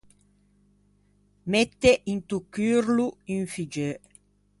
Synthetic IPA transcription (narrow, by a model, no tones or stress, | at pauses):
met̪ːeʔint̪ukːyːɾluyɱfid͡ʒø